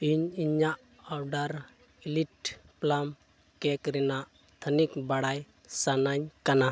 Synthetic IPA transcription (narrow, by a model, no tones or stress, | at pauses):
iɲiɲaʔ | awɖaɾ | iliʈplam | kɛkɾɛnaʔ | t̪ʰənikbaɽaj | sanaɲkana